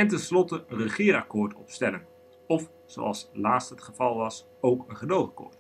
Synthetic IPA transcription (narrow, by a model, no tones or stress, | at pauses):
ɛntɛnslɔtəənrəχɪːɾɑkʊːɹtɔ̰pstɛlən | ɔf | z̥o̰wʔɑ̰lˠslaːtstɦətχəvɑlˠʋɑs | owkənχədowˠakʊ̰ːɹt